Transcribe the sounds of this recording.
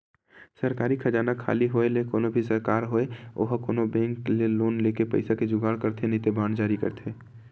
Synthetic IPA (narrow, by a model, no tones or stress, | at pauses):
səɾkaːɾikʰəd͡ʒaːnakʰa̰ːliɦoːelekoːnobʱisəɾkaːɾɦoːeo̰ːɦkoːnobɛ̃ːŋkleloːnleːkepə̰ɪsaked͡ʒʊɡaːɽkəɾt̪ʰenɪt̪ebaːnd͡ʒaːɾikə̰ɾt̪ʰeː